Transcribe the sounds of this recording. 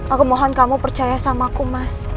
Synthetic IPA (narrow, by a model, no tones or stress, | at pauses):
ʔakumoɦɔnkamupərt͡ʃajasamakumas